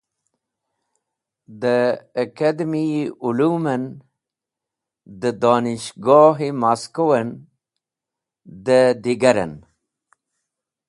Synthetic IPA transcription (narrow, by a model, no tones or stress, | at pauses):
d̪əːkad̪miulumən | d̪əd̪oːniʃɡoːɦimaskowən | d̪əd̪iɡaɾə̰n